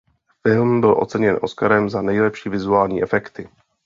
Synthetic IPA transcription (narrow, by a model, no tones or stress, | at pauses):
fɪlmbɪlʔo̞̰t͡sɛɲɛnʔo̞̰skaɾɛmzanɛjlɛpʃiːvɪzuaːlɲiːʔɛfɛkt̪ɪ